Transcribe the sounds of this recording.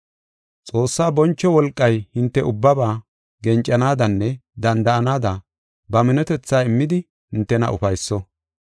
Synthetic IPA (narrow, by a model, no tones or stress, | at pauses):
t͡sʼo̞ːsːaːbɔnt͡ʃːɔwɔlkʼːɐjhɪnt̪ːɛʔʊbːɐbaː | ɡɛnt͡ʃʼːɐnaːd̪ɐnːɛd̪ɐnd̪ɐʔɐnaːd̪ɐ | bɐmɪnɛt̪ɛt͡sːaːɪmːɪd̪ɪ | hɪnt̪ːɛnɐ̰ʔʊ̰fɐjsːɔ